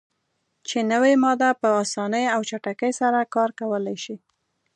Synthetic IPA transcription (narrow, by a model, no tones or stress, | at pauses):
t͡ʃenəwemɑd̪apəɑsɑnəjawt͡ʃaʈakəjsaɾakɑɾkawəlajʃi